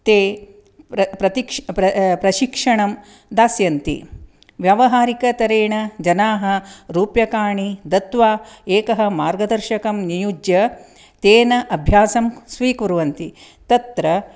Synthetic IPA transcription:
t̪eː | ɐpɾɐt̪ikpɾɐpɾɐʃikʂɐɳɐm | d̪aːsjɐnt̪ḭ | ʋjɐʋɐɦaːɾikɐt̪ɐɾeːɳɐd͡ʒɐnaːɦɐɾuːpjɐkaːɳid̪ɐt̪ʋaːeːkɐɦɐ̆maːɾɡɐd̪ɐɾʃɐkɐmnijud͡ʒjɐ | t̪eːnɐʔɐbʱjaːsɐmsʋiːkuɾuʋɐnt̪i | t̪ɐt̪ɾɐ

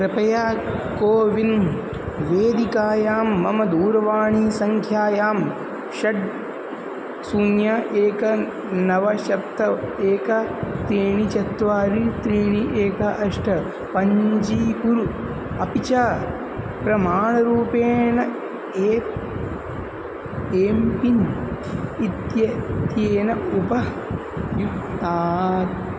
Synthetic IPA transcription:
pɾɐpɐjaː | koːʋin | ʋeːd̪ikaːjaːmːɐmɐd̪uːɾɐʋaːɳiːsɐŋkʰjaːjaːm | ʃɐɖ | sunjɐʔeːkɐ | nɐʋɐʃɐp̚t̪ɐeːkɐt̪eːɳit͡ʃɐt̪ʋaːɾit̪ɾiːɳiʔeːkɐʔɐʂʈʰɐ | pɐɲd͡ʒiːkuɾu | ɐpit͡ʃaː | pɾɐmaːɳɐɾuːpeːnɐ | eː | eːmpin | it̪jɐt̪jeːnɐupɐ | juaː

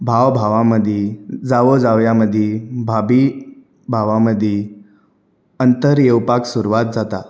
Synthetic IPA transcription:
bʱaʋbʱaʋaməd̪ʱjed͡zaʋod͡zaʋjaməd̪ʱjebʱabi | bʱaʋaməd̪ʱje | ənt̪əɾjewpaksuɾuʋat̪̚d͡zat̪a

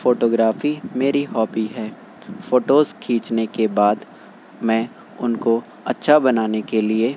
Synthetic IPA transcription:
foːʈoːɡɾaːfimeːɾiɦɔːbiɦɛː | foːʈoːzkʰĩːt͡ʃnekebaːd̪ | mɛ̃ː | ʊnko | ɐtːʃʰabɐnaːnekelie

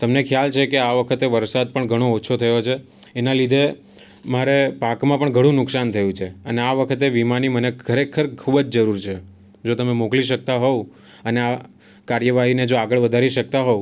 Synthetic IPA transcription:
t̪əmnekʰjalt͡ʃʰekeaʋəkʰət̪eʋəɾsad̪̚pəɳɡʱəɽ̃oːt͡ʃʰot̪ʰəjot͡ʃʰeː | nalid̪ʱe | maɾepakmãpəɳɡʱəɽ̃ũnʊksant̪ʰəjũt͡ʃʰeəneaʋəkʰət̪̬eʋimanimənekʰəɾekʰəɾkʰubd͡ʒd͡ʒəɾuɾt͡ʃʰe | d͡ʒot̪əmemokliʃ̬ək̚t̪aɦo | ənea | kaɾjəʋaɦined͡ʒoaɡəɭʋəd̪ʱaɾiʃək̚t̪aɦo

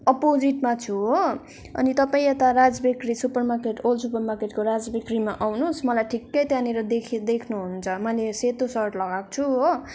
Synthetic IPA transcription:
ʌpod͡ziʈmat͡sʰuɦo | ʌ̰nit̪ʌpaĩʌt̪aɾad͡zbekrisupʌrmarkeʈolsupʌrmarkeʈkoɾad͡zbekrimaʔawnusmʌlajʈʰikːʌjt̪janeɾʌd̪ekʰd̪ekʰnuɦunt͡sʰʌmʌjleset̪osʌrʈlʌɡakt͡sʰuɦo

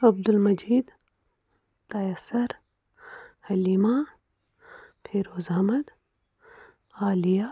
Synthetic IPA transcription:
ɐb̚d̪ulmɐd͡ʒiːd̪ | t̪ɐjɐsɐɾ | hɐliːmaː | pʰeːɾoːzɐɦmɐd̪ | aːlijaː

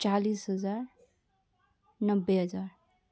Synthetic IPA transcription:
t͡ʃalisɦəd͡zaɾ | nəbːeɦəd͡zaɾ

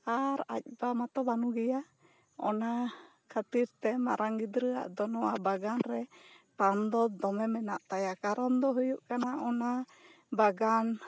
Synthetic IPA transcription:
aɾa̰c̚bamat̪ɔbanuɡɛja | ɔ̰na | kʰat̪iɾt̪ɛma̰ɾaŋɡid̪ɾəa̰ʔd̪ɔnɔwabaɡanɾɛ | pand̪ɔd̪ɔmɛmɛnaʔt̪ajakaɾɔnd̪ɔɦujuʔkanaʔɔna | baɡan

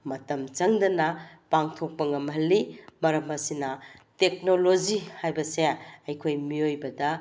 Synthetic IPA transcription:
mɐtɐmt͡ʃɐŋdɐnɐpaŋtʰok̚pɐŋɐmɦɐlːimɐɾɐmɐsinɐtek̚nolod͡ʒihajbɐseɐjkʰojmiojbɐdɐ

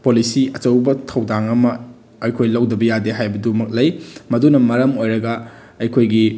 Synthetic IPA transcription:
polisiɐt͡ʃɐwbɐtʰɐwdaŋɐmɐ | ɐjkʰojlɐwdɐbɐjadeɦajbɐdumɐk̚lɐjmɐdunɐmɐɾɐmojɾɐɡɐː | jkʰojɡi

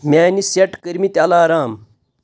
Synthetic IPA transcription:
maːniseʈkəɾmit̪alaːɾaːm

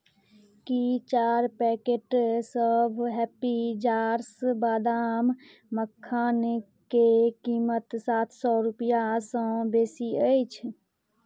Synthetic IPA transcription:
kit͡ʃaɾpɛkeʈsəbʱɦɛpid͡ʒaɾsbad̪am | məkʰːan | kekimət̪sat̪ʰsɔɾupijasə̃besiəjt͡ʃʰ

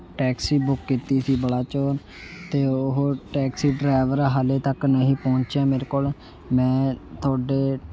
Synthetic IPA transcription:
ʈɛːksiːbʊkːiːt̪iːsiːbəɽaːt͡ʃoːɾ | t̪eːʊɦoʈɛːksiːɖɾaːʋəɾaɦaːleːt̪əknəɦĩːpõːɲt͡ʃjãːmeːɾeːkoːl | mɛ̃ːt̪ʰʊaːɖeː

